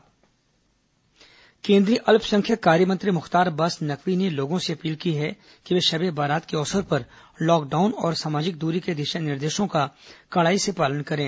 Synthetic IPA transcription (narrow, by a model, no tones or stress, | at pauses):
kẽːnd̪ɾiʔɐlpʰsɐ̃ŋkʰjəkaːɾjəmɐ̃nt̪ɾimʊxt̪aːɾbɐsnɐkʰʋineloːɡõseɐpiːlkiɦɛ | kiʋeːʃɐbebaːɾaːt̪keɔːsəɾpɐɾlɔːk̚ɖaːʊnɔːɾsaːmaːd͡ʒɪk̚d̪uːɾiked̪ɪʃanɪɾd̪eːʃõkakɐɭaːisepaːlənkɐɾẽː